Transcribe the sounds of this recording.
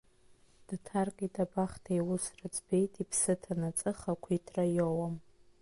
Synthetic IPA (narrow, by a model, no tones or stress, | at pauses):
d̥tʰarkʼitʼabaχtʰajwʊsrat͡sʼbe̞jtʼipʰsɨtʰanat͡sʼɨχakʷʰitʰrajowam